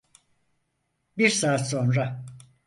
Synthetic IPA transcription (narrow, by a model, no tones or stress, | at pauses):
biɾsaːt̪so̞nɾa